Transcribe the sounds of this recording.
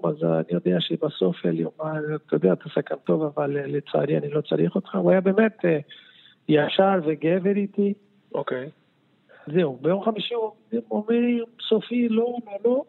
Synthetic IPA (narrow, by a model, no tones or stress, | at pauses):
aza̰nijod̪eaʃebaso̞feljomat̪ajod̪eat̪asakant̪o̞vavallet͡sa̰aɾianilo̞t͡sa̰ɾiχot̪χauajabe̞ːmet̪e | jaʃaɾveɡeveɾit̪i | okej | zeubejo̞mχamiʃiomimomɾimsofilololo̞